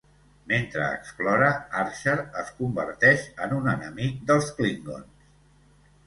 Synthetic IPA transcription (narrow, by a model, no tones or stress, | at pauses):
ment̪ɾə̰ːksplɔɾəaɾʃəɾəskumbəɾt̪ɛʃənunənəmik̚d̪əlˠskliŋɡo̰ns